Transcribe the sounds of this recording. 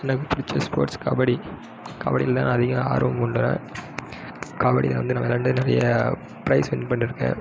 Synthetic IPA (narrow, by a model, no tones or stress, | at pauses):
ɐnɐkːɯpʊɾɪt͡ʃːɐspo̰ːɾʈska̰ːbɐɽi | ka̰ːbɐɽɪlt̪ãːnːɐðɪɣɐa̰ːɾʋɐmʊɳɖɯna̰ | kaːbɐɽɪlʋɐnd̪ɯnɐmːɐɛlːɐɾɳɖɐnɪɾɐjɐ | pɪɾɐɪsʋɛnpɐɳːɪɾɯkːḛ̃ː